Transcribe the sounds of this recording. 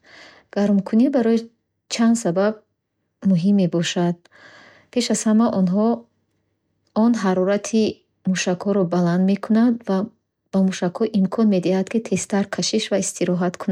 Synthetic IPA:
ɡ̥aɾmkʰunibaɾɔji | t͡ʃʰand̪sabab̚ | muɦimːebɔʃad̪̥̚ | pʰe̞ʃaz̥hamaʔɔnɦɔ | ɔnɦaɾɔɾat̪ʰi | muʃakhɔɾɔbaland̪me̞kʰunad̪va | b̥amuʃakhɔʔimkʰɔnme̞d̪ihad̪kʰit̪ʰe̞st̪aɾkʰaʃiʃvaist̪ʰiɾɔɦat̪kʰuna

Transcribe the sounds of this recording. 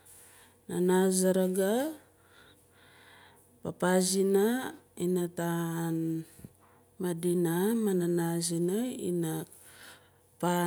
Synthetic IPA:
nanazaɾaɡa | papazinainatan | madinamananazinaḭna | pa

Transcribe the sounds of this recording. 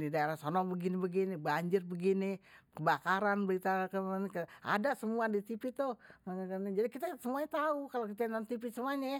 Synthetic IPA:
didaeɾasɔnɔbəɡinibəɡinibaɲd͡ʒɪrbəɡinikəbakaɾanbəɾit̪akəmankəa̰dasəmuadit̪ipit̪ʊhakənid͡ʒadikit̪asəmuaɲat̪aukalokit̪anant̪ip̬isəmuaɲa

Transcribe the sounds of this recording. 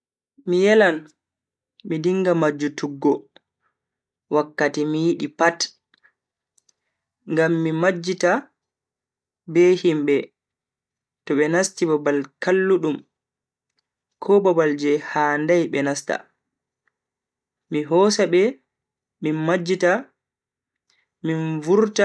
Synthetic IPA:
mijɛlan | midiŋɡamad͡ʒːutuɡːɔ | wakːatimijiɗipat | ŋɡamːimad͡ʒːita | bɛhimbɛ | tɔɓɛnastibabalkalːuɗum | kʰɔbabald͡ʒɛhaːndajɓɛnasta̰ | miɦɔsabɛ | minmad͡ʒːita | minvuɾta

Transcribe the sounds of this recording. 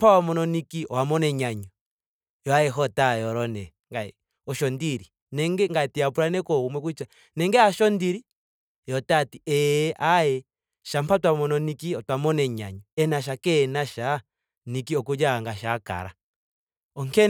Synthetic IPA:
mpawamɔnɔnikiɔwamɔnɛɲaɲɔ | jɔajɛɦɔtajɔɾɔnɛ | ŋɡaɛ | ɔʃɔndiɾi | nɛŋɡɛŋɡaɛtiapuɾanɛkɔumwɛk̬uit͡ʃa | nɛŋɡɛaʃɔndiɾi | jɔtatiʔɛːʔajɛ | ʃam̩patwamɔnɔnikiɔtwamɔnɛɲa̰ɲɔɛnaʃ̬akɛnaʃa | nikiɔkud͡ʒaŋɡaʃaka̰ɾa̰ | ɔŋkɛ

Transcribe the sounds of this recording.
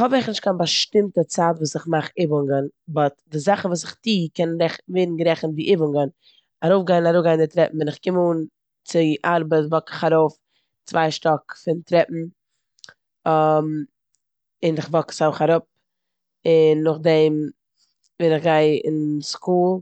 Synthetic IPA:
hɔbɪχnɪʃtkʰanbaʃtɪmtət͡saːtvuːsɪχmaχɪbʊŋɡənbɔtdɪzaχn̩vuːs̬ɪχtiːkɛnɾɛχveːdn̩ɡɾɛχn̩viːʔɪbʊŋɡən | aɾoʊfɡaɪnaɾʊɡaɪndɪtɾɛpm̩vɪnɪχkɪmuːn | t͡sɪʔaɾbətvɔkɪ̥χaɾoʊf | t͡svaɪʃtɔkfɪntɾɛpm̩ | m | ɪnɪχvɔksaɾoʊχaɾʊp̚ | ɪnːʊχdɛm | vɪnɪχɡaɪɪ̰nskuːlˠ

